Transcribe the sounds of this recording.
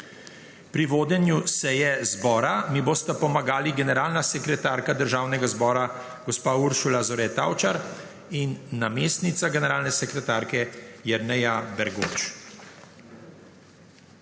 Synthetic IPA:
pɾiʋoːd̪ɛnjusɛːjɛzbɔːɾamiboːst̪apɔmaɡaːliɡɛnɛɾaːlnasɛkɾɛt̪aːɾkad̪əɾʒaːwnɛɡazbɔːɾa | ɡɔspaːuɾʃulazɔɾɛt̪a̰ːwt͡ʃaɾ | inːameːst̪nit̪saɡɛnɛɾaːlnɛsɛkɾɛt̪aːɾkɛjɛɾnɛjabɛɾɡo̰t͡ʃ

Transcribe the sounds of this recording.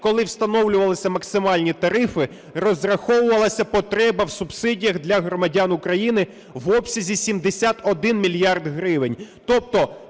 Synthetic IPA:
kɔlˠɪwst̪ɐnɔwlʲʊʋɐlˠɪsʲɐmɐksɪmɑlʲnʲit̪ɐɾɪfɪ | rɔzrɐxɔwʊʋɐlˠɐsʲɐpɔt̪ɾɛbɐwsubsɪdʲijɐɣd̪lʲɐɦɾɔmɐdʲanʊkɾɐjinɪ | ʋɔpsʲɐzʲisʲimd̪esʲat̪ɔd̪ɪnmʲilʲjɑrd̪ɦɾɪʋɪnʲt̪ɔp̚t̪ɔ

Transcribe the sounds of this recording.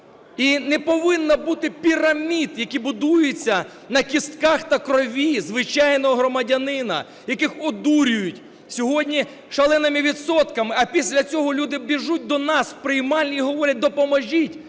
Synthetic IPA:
inɛpɔʋɪnːɐbut̪ɪpʲiɾɐmʲid̪jɐkʲibʊd̪ujet͡sʲːɐ | nɐkʲist̪kɑxt̪ɐkɾɔʋʲizʋɪt͡ʃɑjnɔɦɔɦɾɔmɐdʲɐnɪnɐ̰ | jɐkɪxɔd̪uɾʲʊjʊtʲ | sʲɔɦɔdʲnʲi | ʃɐlˠɛnɐmɪʋʲid̪sɔt̪kɐmɪɐpʲisʲlʲɐt͡sʲɔɦɔlʲud̪ɪbʲiʒut̚ʲd̪ɔnɑspɾɪjmɑlʲnʲiiɦɔʋɔɾʲɐt̚ʲd̪ɔpɔmɔʒʲitʲ

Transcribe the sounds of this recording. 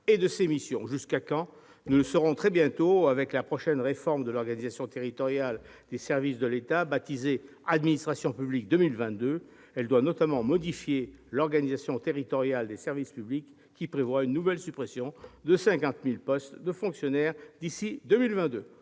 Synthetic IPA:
ed̪əsemisjɔ̰̃ʒyskakɑ̃ | nuləsəʁɔ̃t̪χɛbjɛ̃t̪oavɛklapχɔʃɛnʁefɔʁmd̪əlɔʁɡanizasjɔ̃t̪eʁit̪ɔʁjald̪esɛʁvisd̪əlet̪abat̪ize | ad̪minist̪χasjɔ̃pyblik̚d̪ømilvɛ̃t̪d̪ø | ɛld̪wanɔt̪amɑ̃mɔd̪ifjelɔʁɡanizasjɔ̃t̪eʁit̪ɔʁjald̪esɛʁvispyblikʰː | ipχevwaynːuvɛlsypχesjɔ̃d̪əsɛ̃kɑ̃t̪milpɔst̪d̪əfɔ̃ksjɔnɛʁd̪isid̪ømilvɛ̃t̪̚d̪ø

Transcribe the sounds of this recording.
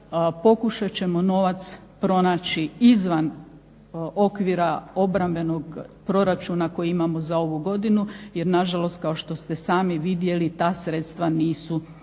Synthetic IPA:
po̞kuʃat͡ɕe̞mo̞no̞ʋat̪s | pɾo̞naːt͡ɕiizʋan | o̞kʋiːɾao̞bɾambe̞no̞ɡpɾo̞ɾat͡ʃunako̞jiimamo̞zao̞ʋuɡo̞d̪inuje̞ɾnaʒalo̞st̪̚kao̞ʃt̪o̞st̪esaːmiʋid̪je̞lit̪aːsɾet̪st̪ʋaniːsu

